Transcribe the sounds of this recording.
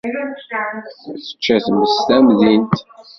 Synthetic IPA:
θə̥t͡ʃːæθməst̪æmðint̪

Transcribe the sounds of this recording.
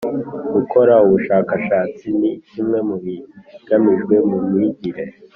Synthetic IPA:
ɡ̥ukʰo̞ɾauβuʃaːkaʃaːt͡sinicimŋe̞muβiɡ̥amiʒɡwe̞mumŋiɟiɾe̞

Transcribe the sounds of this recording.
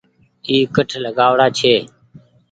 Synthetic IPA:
iːkəʈʰləɠaːʋɽaːt͡ʃʰeː

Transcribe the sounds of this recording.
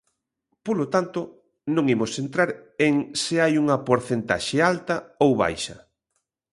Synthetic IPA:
polot̪ant̪o | nõŋimosent̪ɾaɾeŋseajuŋɐpoɾθent̪a̰ʃealt̪ɐowβa̰jʃɐ̰

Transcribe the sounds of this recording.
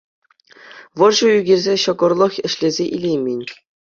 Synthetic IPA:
ʋɤ̆rʐɤ̆yɡʲerʲzʲeɕɤ̆ɡɤ̆rlˠɤ̆xʲɘ̆ɕlʲezʲeʔilʲejmʲenʲ

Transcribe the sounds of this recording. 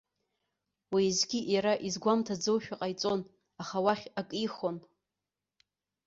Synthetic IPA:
wizɡʲiʔjaɾaʔizɡʷamtʰad͡zowʃᶣaqʼajt͡sʼo̞n | aχawaχʲakʼiχo̞n

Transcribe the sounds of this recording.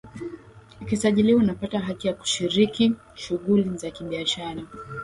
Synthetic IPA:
ukisaʄiliwaunapataɦatijaku̥ʃiɾiki | ʃuɠulizakiɓiaʃaɾa

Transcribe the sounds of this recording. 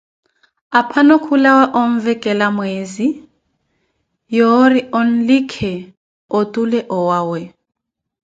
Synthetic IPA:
apʰanɔkʰulawaʔoɱ̩vɛkʼɛlamweːzi | jɔɾiʔɔn̩likʰɛ | otʼulɛʔɔwaːwɛ

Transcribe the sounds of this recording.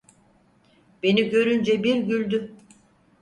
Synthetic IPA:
b̥e̞niɟø̞ɾynd͡ʒɛbiɾɟylʲd̪y

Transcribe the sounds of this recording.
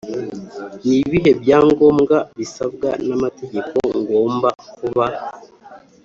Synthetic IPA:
niβiɦe̞bjaːŋɡo̞ːmɡaβisabɡa̰namate̞ɟe̞ko̞̰ŋɡo̞ːmbakuβa

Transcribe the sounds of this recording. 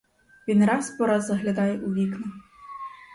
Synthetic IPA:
ʋʲinɾɑspɔɾɑd̪zɐɦlʲɐd̪ɑjɛʔuʋʲiknɐ

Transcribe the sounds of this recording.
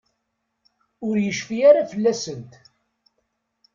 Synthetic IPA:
ʊɾjəʃfiaɾafəlːæsənt̪

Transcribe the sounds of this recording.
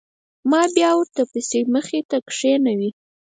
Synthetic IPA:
mɑbjɑwəɾt̪apəseməxet̪akʂenawi

